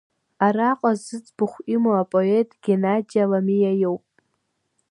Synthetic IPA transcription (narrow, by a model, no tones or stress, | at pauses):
araqʷʼazɨt͡sʼb̥ɨχʷʔimoapʼoetʼɡ̥ʲenad͡ʒialamijajowpʼ